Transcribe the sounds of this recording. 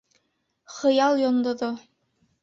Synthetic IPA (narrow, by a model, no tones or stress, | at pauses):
χɤ̆jɑlˠjond̪ŏðo